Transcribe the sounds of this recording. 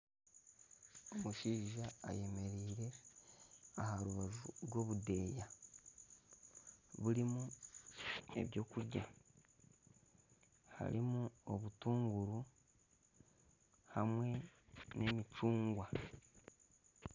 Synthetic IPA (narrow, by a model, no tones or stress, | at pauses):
omuʃiːʒa̰ːje̞me̞ɾiːɾe̞ | ahaɾuβaʒuɾwo̞ːβude̞ːja | βuɾimu | e̞̰βjo̞ːkuɾɟa̰ | ha̰ɾimuo̞βutuːŋɡuɾu | hamwe̞ne̞mit͡ʃuːŋɡwa